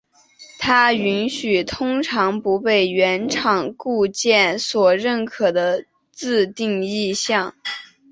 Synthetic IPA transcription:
t̪ʰa˥y˧˥nɕy˨˩t̪ʰʊ˥ŋʈ͡ʂʰɑ˧˥ŋpu˧˥pe˥˩ɪɥɛ˧˥nʈ͡ʂʰɑ˨˩ŋku˥˧t͡ɕjɛ˥˩nswɔ˨˩ɻə˥˩nkʰɤ˨˩d̪ə˦ | t͡sɹ̩˥˧t̪i˥˧ŋi˥˧ɕjɑ˥˩ŋ

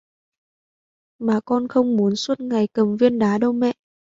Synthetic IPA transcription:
maː˨˩kɔ˧nxə˧wŋ͡mmu˨˦ənswə˦˥t̚ŋa˨˩jkə˨˩mvi˧ənɗaː˨˦ɗə˧wmɛ̰˧˨ʔ

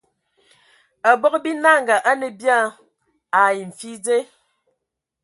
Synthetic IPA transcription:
a˨bɔ˦kbi˦na˦˨ŋ˨ɡa˨ʔa˦nə˨bja˦˨ | a˨ji˨m̩˨fi˦d͡ze˦

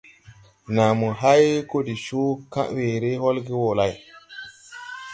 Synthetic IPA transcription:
na˨mu˨ɦa˦jko˦di˨ʃu˦kã̰˦ʔwe˨ɾe˦ɦo˦lɡi˦wo˨la˦˨j

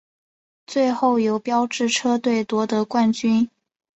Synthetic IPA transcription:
t͡swe˥˧ɪxo˥˩ʊjo˧˥ʊpjɑ˥ʊʈ͡ʂɻ̩˥˩ʈ͡ʂʰɤ˥t̪we˥˩ɪt̪wɔ˧˥t̪ɤ˧˥kwa˥˩nt͡ɕy˥n

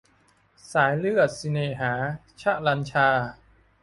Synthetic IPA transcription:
saː˩˦jlɯ˥˩ət̪̚si˧neː˨˩ɦaː˩˦ | t͡ɕʰa˦˥ʔla˧nt͡ɕʰaː˧

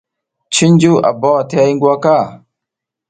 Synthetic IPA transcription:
t͡ʃi˦nd͡ʒu˦ʔa̰˨ba˦wa˨te˦a˦ji˦ŋɡwa˦ka˦˨

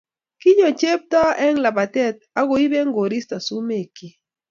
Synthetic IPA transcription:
kɪ˦ɲɔ˨t͡ʃe˦p̚ta˦ɛ˦ŋla˨pa˨tɛ˦t̪̚ | a˦ɡo˨i˦bɛ˦ŋɡo˨ɾi˦sta˨su˦me˨ki˦

